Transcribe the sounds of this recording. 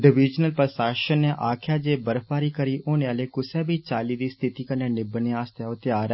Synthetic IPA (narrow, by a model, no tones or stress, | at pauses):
ɖəʋɪd͡ʒnəlpəsaːʃənːẽːʔaːkʰjaːd͡ʒeːbəɾpaːɾiːkəɾiːʔoːneːaːleːkʊsɛːbiːt͡ʃaːliːd̪iːst̪ʰɪt̪iːkəɾneːnɪbəneːaːst̪ɛːot̪eaːɾɛ